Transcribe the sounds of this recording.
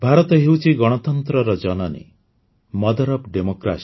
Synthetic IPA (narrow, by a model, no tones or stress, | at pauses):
bʱaɾɔt̪ɔɦewt͡ʃʰiɡɔɽ̃ɔt̪ɔnt̪ɾɔɾɔd͡ʒɔnɔnḛ | mɔd̪ɔɾɔpɖemokɾa̰s